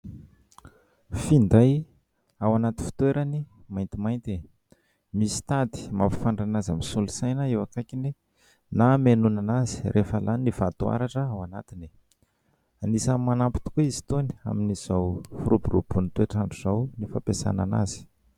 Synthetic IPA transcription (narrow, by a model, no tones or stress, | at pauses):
find̪aj | awanat̪in̥fi̥t̪weɾani | majnt̪imajnt̪e | misi̥t̪ad̪i̥ma̰pi̥faɳɖ͡ʐanazamisulusajnəewakakini | namenunanazi̥rʔefəlʔaninifat̪ua̰ɾaʈ͡ʂəawana̰t̪ini | anisamanampi̥t̪u̥kuizi̥t̪oni̥a̰miniz̥awfuɾuburubunit̪weʈ͡ʂaɳʈ͡ʂuz̥awnifapesa̰nana̰z̥i̥